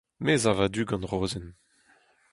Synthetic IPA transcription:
mezavad̪yːɡɑ̃nʁoːzɛn

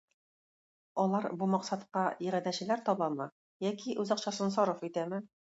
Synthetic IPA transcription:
ɒlˠɑɾbumɑqsɑt̪qɑĭɾæd̪æɕɘ̆læɾt̪ɒbɑmɤ | jækiʔʉzɑqɕɑsɤnsɒɾofit̪æmɘ

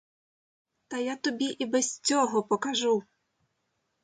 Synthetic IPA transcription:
t̪ɐjat̪ubʲiʔibɛsʲt͡sʲɔɦɔpɔkaʐu

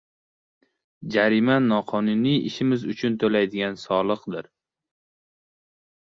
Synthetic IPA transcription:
d͡ʒaɾɪmanːɒqʰɒnʊnijɪ̰ʃɪmɪzʊt͡ʃʰʊnt̪ʰolajd̪ɪɡʲansɒlˠɨqd̪ɪɾ

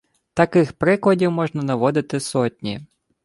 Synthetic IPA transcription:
t̪ɐkɪxpɾɪklˠɐdʲiwmɔʒnɐnɐʋɔd̪ɪt̪ɪsɔtʲnʲḭ

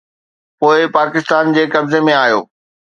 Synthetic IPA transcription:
poːɪpaːkɪst̪aːnd͡ʑeːkɐbzemẽaːjo̰ː

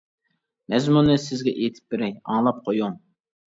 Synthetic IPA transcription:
mɛzmunɨsɪzɡʲɛʔet̪ʰɪ̥p̚bɪɾɛjɑ̰ŋlˠɑp̚qʰojuŋ

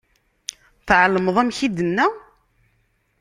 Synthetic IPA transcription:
θʕəlːməðˤæmçid̪ənːæ

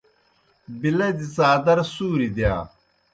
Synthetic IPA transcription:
bilɐd̪it͡saːd̪ɐɾsuːɾid̪jaː

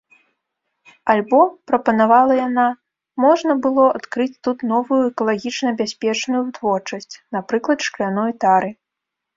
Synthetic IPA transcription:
alʲbɔpɾɐpɐnavalˠɐjana | mɔʐnɐbɨlˠɔat̪kɾɨt͡sʲt̪ut̪nɔvujuɛkɐlˠaɣʲit͡ʂnɐbʲasʲpʲɛt͡ʂnujut̪vɔrt͡ʂɐsʲt͡sʲnapɾɨklˠɐt̪ʂklʲanɔjt̪aɾɨ

